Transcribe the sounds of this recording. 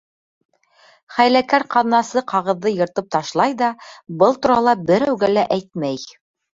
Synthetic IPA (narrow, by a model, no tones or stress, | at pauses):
χæjlækæɾqɑðnɑsɤqɑʁɤ̆ðːɤjɤ̆ɾt̪ɤp̚t̪ɑʃlˠɑjðɑbɤlˠt̪uɾɑlˠɑbɘ̆ɾæwɡælæʔæjt̪̚mæj